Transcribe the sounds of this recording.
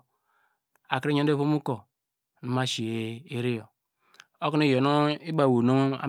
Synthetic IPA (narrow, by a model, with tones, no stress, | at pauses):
a˨kɾi˦ɲo˦e˦˨vo˦mu˦ko˨ | nu˨ma˦ʃi˨e˨e˦ɾi˦jo˨ | o˦kni˦˨jo˨nu˦i˦ba˨wo˨nu˦a̰˨˦